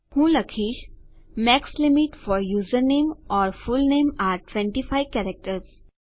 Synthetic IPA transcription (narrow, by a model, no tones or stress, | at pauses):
hũːlɐkʰiːʃ | mɛkslɪmɪʈfɔːɾjuːzəɾneːmɔːɾfʊlneːmaːɾʈʋɛ̃ɳʈifʰaɪʋkɛːɾək̚ʈəɾz